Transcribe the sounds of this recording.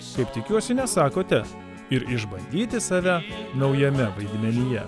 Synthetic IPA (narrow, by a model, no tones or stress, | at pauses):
kɐɪpt̪ʲɪkʲuɔsʲɪnʲɛsɑːkoːt̪ʲɛ | ɪɾɪʒbɐnʲd̪ʲiːt̪ʲɪsɑːʋʲænɒʊjɛmʲɛʋɐɪd̪ʲmʲɛnʲɪjɛ